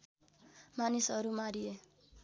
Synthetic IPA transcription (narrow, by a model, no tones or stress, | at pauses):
manisʌɾumaɾie